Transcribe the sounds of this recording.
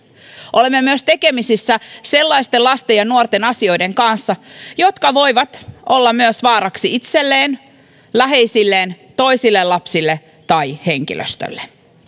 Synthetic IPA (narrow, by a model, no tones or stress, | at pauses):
ʔo̞lemːemyøst̪e̞ke̞misisːæse̞lːɑist̪elɑst̪e̞jɑnuort̪e̞nɑsio̞jde̞ŋkɑnsːɑjo̞t̪kɑʋo̞jʋɑt̪ʔolːɑmyøsʋɑːɾɑksiit̪selːeːn | læɦe̞jsilːeːn | t̪o̞isilːelɑpsilːe | t̪ɑjhe̞ŋk̟ḭlø̰st̪ø̰lːe